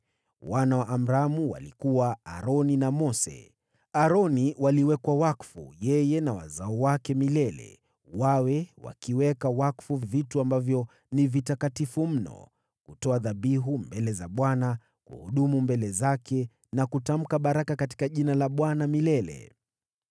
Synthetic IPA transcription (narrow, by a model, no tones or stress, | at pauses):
wanawaʔam̩ɾamuwa̰likuwaa̰ɾɔninamɔsɛ̰ | aɾɔniwaliwɛkwawakfṵjɛjɛnawa̰zaɔwakɛmilɛlɛ̰ | wawɛwa̰kiwɛkawakfuvvituambavjɔ | nivitakatifum̩nɔ̰ | kutɔaðaɓiɦumbɛlɛzaɓwana | kṵhuɗumumbɛlɛzakɛ | nakutam̩kaɓaɾakakati̥kaʄinalaɓwanamilɛlɛ̰